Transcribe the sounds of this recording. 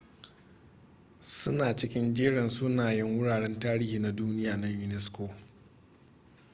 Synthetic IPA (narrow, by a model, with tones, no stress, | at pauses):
sʊ˦naː˨t͡ʃɪ˦kʲɪ˦nd͡ʒeː˦ɽɛ˨nsʊ˦naː˨jɪ˦ŋwʊ˦ɽaː˨ɽɛ˦ntaː˦ɾiː˦hiː˨na˦duː˦nɪ˦jaː˨na˦jʊ˨nɛ˦skoː˨